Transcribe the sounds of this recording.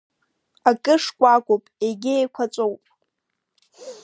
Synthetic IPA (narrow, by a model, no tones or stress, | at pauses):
akʼɨʂkʷʼakʷʼopʼeɡʲɪejkʷʰat͡sʷʼowpʼ